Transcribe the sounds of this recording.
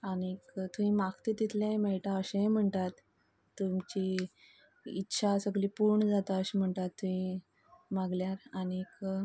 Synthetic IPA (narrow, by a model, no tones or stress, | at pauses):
anikt̪uɦĩmakt̪it̪it̪ʰlãmɛiʈaəɕẽm̤əɳt̪at̪ː | umt͡ɕi | itːɕʰasəɡlipuɾɳd͡zat̪aəɕem̤əɳt̪at̪ːuɦĩ | maɡljaɾanik